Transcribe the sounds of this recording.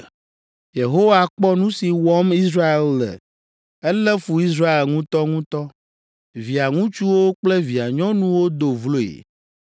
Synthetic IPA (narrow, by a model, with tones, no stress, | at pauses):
je˨ɦo˦wa˨k͡pɔ˦nũ˦si˨wɔ˦mi˦sɾa˦e˨llɛ̰˨ | ɛ˦lɛ˦fu˨i˦sɾa˦e˨lŋũ˦t̪ɔ˦ŋũ˦t̪ɔ˦ | vi˨a˨ŋũ˦t͡ʃu˦wo˦k͡plɛ˦vi˨a˨ɲɔ̃˦nũ˦wo˦d̪o˨vlo˦ḛ˨